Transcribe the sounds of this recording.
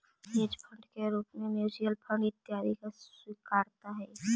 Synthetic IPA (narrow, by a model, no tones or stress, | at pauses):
ɪd͡ʒpʰə̃ɳɖkeɾuːpmẽmjuːd͡ʒiəlpʰə̃ɳɖɪt̪ːjaːɾikaswɪkaːɾt̪aɦɛː